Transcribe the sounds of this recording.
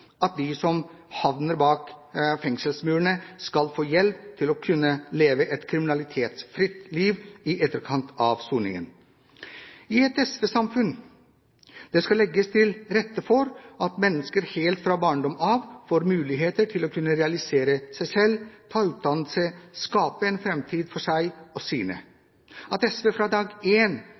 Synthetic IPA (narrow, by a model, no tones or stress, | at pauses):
ɑt̪̚d̪ɪsɔm | hɑʋnəɾbɑːkfɛŋsəlsmʉːəɳəskɑlfoːjɛlpt̪ʰɪlɔkʰʉnːəleːʋəʔɛt̪kʰɾɪmɪnɑlɪt̪ʰeːt̪sfɾɪt̪liːʋɪʔɛt̪ːəɾkʰɑnt̪ʰɑʋsuːnɪ̰ŋə̰n | ɪɛt̪ɛsʋɛsɑmfʉn | d̪̥ɛskɑlɛɡːəst̪ʰɪlɾɛt̪ːəfɔɾɑt̪mɛnːəskəɾheːlt̪fɾɑːbɑːɳɖɔmɑʋfoːɾmʉːlɪɦeːt̪əʈʰɪlokʰʉnːəɾɛɑlɪseːɾəsæɪsɛlːt̪ʰɑːʉːt̪̚d̪ɑnlsəskɑːpəɛnfɾɛmt̪ʰiːd̪fɔʂæɪɔsiːnə̰ | ɑt̪ɛsʋefɾɑːd̪ɑːɡeːn